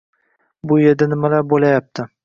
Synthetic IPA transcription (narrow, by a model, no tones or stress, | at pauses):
bʊje̞ɾd̪anɪmalaɾbolajap̚t̪ʰɪ